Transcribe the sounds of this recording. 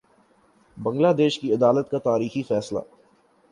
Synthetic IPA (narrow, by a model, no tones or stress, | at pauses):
bɐ̃ŋɡlaːd̪eːʃkiɐd̪aːlət̪kat̪aːɾiːxifɛːsla̰ː